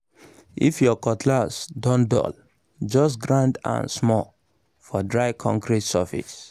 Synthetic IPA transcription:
ifjɔkɔtʰlasdɔ̃ndɔ̰l | d͡ʒɔstɡɹãndã̰nsmɔl | fɔdɹaɪkʰɔ̰̃ŋkɹitsafḭs

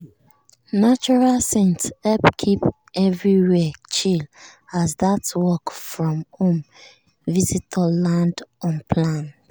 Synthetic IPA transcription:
nat͡ʃuɹalsẽntɛpkʰip | ɛvɹiwɛt͡ʃil | azðatwɔkfɹɔ̃mhõm | vizitʰɔlãndɔ̃npʰlãn

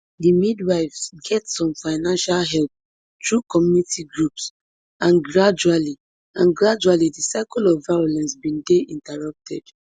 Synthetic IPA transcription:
dimidwaɪfsɡɛtsɔ̃mfaɪnãnʃalɦɛlp̚ | tɹukɔmjunitʰiɡɹups | ãnɡɹad͡ʒuali | ãnɡɹad͡ʒualidisaɪkɔlɔvːajɔlɛ̃nsbĩndeʔĩntaɹʌp̚tʰɛd̥

